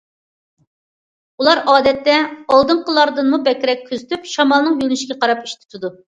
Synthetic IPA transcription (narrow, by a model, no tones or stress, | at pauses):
ulˠɑɾɑːd̪ɛt̪ːɛɑlˠd̪ɨɴqəlˠɑɾd̪ɨnmubɛkʲɾɛk̚ʲʰːøzyt̪ʰypʃɑmɑlˠnɨŋjylnɪʃkʲɛqʰɑɾɑpiʃt̪ʰy̥t̪ʰɪd̪u